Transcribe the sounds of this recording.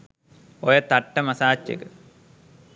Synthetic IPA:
ojɐt̪ɐʈːɐmɐsaːt͡ɕːɐ̰kɐ

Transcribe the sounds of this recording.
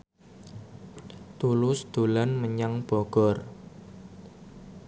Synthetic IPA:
t̪ulʊsd̪̥o̤lanməɲaŋb̥ɔɡ̥ɔr

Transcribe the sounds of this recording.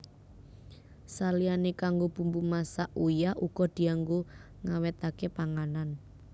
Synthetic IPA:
salianekaŋɡob̥ṳmbumasaʔujaʔuɡ̥ɔ̤d̪̥i̤aŋɡo | ŋawɛt̪akepaŋanan

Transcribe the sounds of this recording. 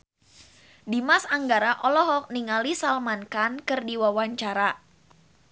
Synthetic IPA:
dimasaŋɡaɾaʔɔlɔɦɔk̚niŋalisalmankankɨrdiwawaɲt͡ʃaɾa

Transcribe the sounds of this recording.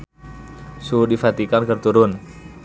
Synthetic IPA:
sudifat̪ikankərt̪uɾʊn

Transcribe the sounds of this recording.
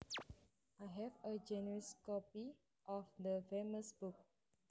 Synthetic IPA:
ajɦɛvəd͡ʒɛnəɹiskɔpi | ʔɔfd̪əfeməsbuk̚

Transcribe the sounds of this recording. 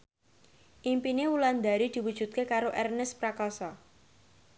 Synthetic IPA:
ʔimpinewuland̪a̤ɾid̪̥i̤wud̥ʒ̥ṳt̪̚kekaɾoʔɛrnɛspɾakɔsɔ

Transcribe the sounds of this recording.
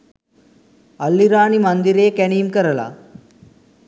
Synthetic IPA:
ɐlːiɾaːnimɐnd̪iɾeːkɛniːmkɐɾɐla̰

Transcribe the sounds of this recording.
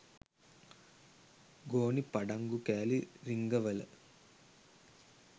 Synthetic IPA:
ɡoːnipɐɖaŋɡukæːliɾiŋɡəʋələ̰

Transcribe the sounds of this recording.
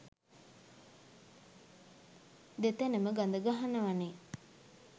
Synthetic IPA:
d̪et̪ænəməɡand̪əɡaɦanəʋane

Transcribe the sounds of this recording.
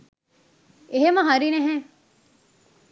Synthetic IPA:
eɦemɐɦɐɾineɦɛ

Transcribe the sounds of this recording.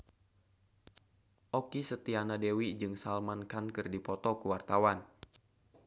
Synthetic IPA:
ʔɔkisət̪ianadewid͡ʒɨŋsalmankankɨrdipɔt̪ɔkuwart̪awan

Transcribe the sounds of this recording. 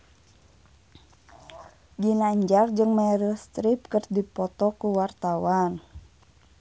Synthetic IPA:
ɡinaɲd͡ʒard͡ʒɨŋmaɛɾəst̪ɾip̚kərdipɔt̪ɔkuwart̪awan

